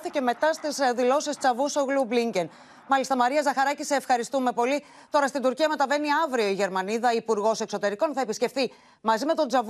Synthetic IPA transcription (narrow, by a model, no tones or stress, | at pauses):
θice̞me̞t̪ɐst̪isðilo̞sist͡sɐvusoɣlubliɲɟen | mɐlist̪ɐmɐɾiɐzɐxɐɾɐciseːfxɐɾist̪ume̞po̞li | t̪o̞ɾɐst̪ind̪uɾciɐme̞t̪ɐve̞niɐvɾio̞iʝe̞ɾmɐniðɐipuɾɣo̞se̞kso̞t̪e̞ɾiko̞nθɐepisce̞fθi | mɐzime̞t̪o̞nd͡zɐv